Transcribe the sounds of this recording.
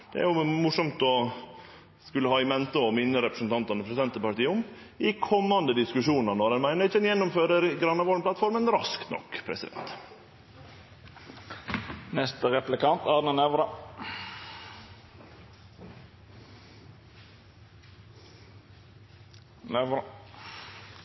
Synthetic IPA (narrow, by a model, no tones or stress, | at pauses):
d̪̥ɛ̰æ̰ɾjʊmʊʂɔmt̪ɔ | skʉlːəhɑːɪmɛnt̪əɔmɪnːəɾɛpɾə̥sn̩t̪ʰɑnt̪ɑnəpʰɾɛsɪd̪ɛnt̪əpɑɾʈ̪iːʊm | ɪkʰɔmːɑnd̪əd̪ɪskʉʂuːnənɔɾɛnmæɪnəɾɪçːəɛnjɛnːʊmføːɾəɾɡɾɑnːɑʋɔːlmpʰlɑt̪fɔɾmənɾɑ̰skt̪nɔ̰kːpʰɾɛ̰sɪd̪ɛ̰nt̪ | nɛst̪əʁɛplɪkʰɑnt̪ɑɾnənɛʋɾɑ | nɛɾ